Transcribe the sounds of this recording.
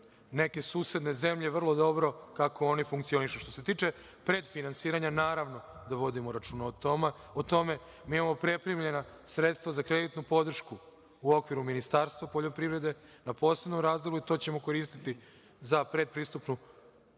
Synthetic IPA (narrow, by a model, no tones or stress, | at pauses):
ne̞ke̞suːse̞d̪ne̞ze̞mʎe̞ʋr̩lˠo̞d̪o̞bɾo̞kako̞onifuŋkt̪sio̞niʃuʃt̪o̞se̞t̪iːt͡ʃe̞ | pɾe̞d̪finansiːɾaɲanaːɾaʋno̞d̪aʋo̞d̪imoɾat͡ʃuːnaot̪ | ot̪o̞me̞ | miimamo̞pɾe̞pɾimʎe̞na | sɾe̞t̪st̪ʋazakɾed̪it̪nupo̞d̪r̩ʃku | uo̞kʋiɾuminist̪aːɾst̪ʋapoʎo̞pɾiʋɾe̞d̪e̞ | napo̞ːsenomɾaːzd̪o̞lˠuit̪o̞t͡ɕe̞mo̞ko̞ɾiːst̪it̪i | zapɾe̞d̪̚pɾiːst̪upnu